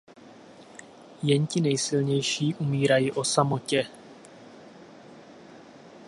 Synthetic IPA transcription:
jɛɲcɪnɛjsɪlɲɛjʃiːʔumiːɾajiʔo̞samo̞cɛ

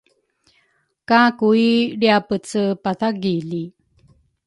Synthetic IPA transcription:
kakuiɾiapət͡səpaθaɡili

